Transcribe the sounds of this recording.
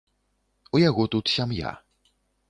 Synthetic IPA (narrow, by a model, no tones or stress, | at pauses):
ujaɣut̪ut̪ɕamja̰